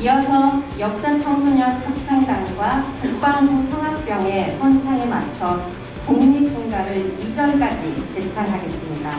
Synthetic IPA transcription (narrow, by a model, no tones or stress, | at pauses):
iʌsʰʌjʌk̚s͈at͡ɕʰʌŋsʰuɲʌnhʰak̚tʰaŋdaŋɡwatɯk̚p͈aŋbosʰɯŋɦak̚p͈jʌŋe̞sʰʌnt͡ɕʰaŋemat͡ɕʰʌ | koŋɲik͈oŋɡaɾɯɭid͡ʑʌɭk͈ad͡ʑit͡ɕet͡ɕʰaɾɦaɡes͈ɯmɲida